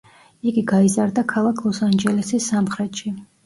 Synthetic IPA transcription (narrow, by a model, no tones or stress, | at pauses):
iɡiɡaizaɾd̪akʰalˠakʰlˠɔsand͡ʒɛlɛsisːamχɾɛt̪ʃi